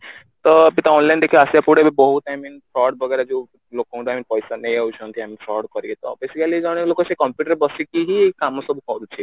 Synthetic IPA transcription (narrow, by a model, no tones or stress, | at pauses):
t̪ɔpit̪ɔɔnlajnd̪ekʰiasiapuɽebibɔɦut̪aminpʰɾɔɖbʱɔɡaɾad͡ʒe | lokɔũʈaminpɔjsanejawt͡ʃʰɔnt̪ʰiamifʰɾɔɖkɔɾiet̪ɔ̰besikalid͡ʒɔɽ̃elokɔsekɔmpjuʈəɾebɔsikiɦikamɔsɔbukɔɾut͡ʃʰi